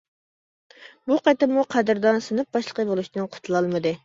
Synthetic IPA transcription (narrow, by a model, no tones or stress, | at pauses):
buqʰɑt̪ɨmuqʰæd̪ɾd̪ɑnsɨnɨp̚bɑʃlˠəqəbolˠuʃinɨnqʰʊ̥t̪ʰulˠɑlˠmɨd̪ɨ